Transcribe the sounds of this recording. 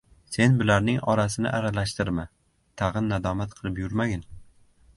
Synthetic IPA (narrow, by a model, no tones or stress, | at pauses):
se̞nbɪlaɾnɪŋɒɾasɪnɪ̰ʔaɾalaʃt̪ɪɾma | t̪ʰɑʁɨnːad̪ɒmat̪qʰɨlˠɪpjʊɾmaɡʲɪn